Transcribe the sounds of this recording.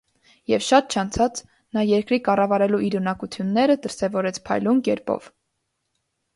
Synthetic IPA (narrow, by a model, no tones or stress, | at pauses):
jɛvʃɑt̪̚t͡ʃʰɑnt͡sʰɑt͡s | nɑjɛɾkɾikɑrɑvɑɾɛluiɾunɑkut͡s̪ʰjunːɛɾəd̪əɾsɛvɔɾɛt͡sʰpʰɑ̰jlumkɛɾpɔ̰v̥